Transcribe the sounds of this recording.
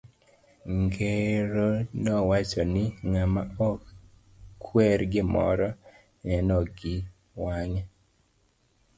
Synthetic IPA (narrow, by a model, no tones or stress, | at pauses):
ŋɡeɾonɔwat͡ʃɔnɪŋamaɔk | kʰwɛɾɡɪmɔ̰ɾɔ | nɛnɔɡɪ | waɲɛ